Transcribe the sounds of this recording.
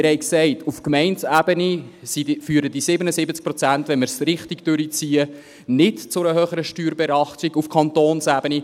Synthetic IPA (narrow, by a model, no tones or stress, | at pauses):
ɪɾhɛɪksɛɪtufkmɛɪnsæːb̥ənisidfyːɾəd̥isɪbənəsɪbət͡sk̚pɾɔt͡sæntʋɛnməɾsɾɪχtiɡd̥øɾit͡siːə | nɪtt͡sʊɾəɦøːχəɾəʃtyːɾbɛɾɑχtiɡufkʰɑntoːnsæːb̥əni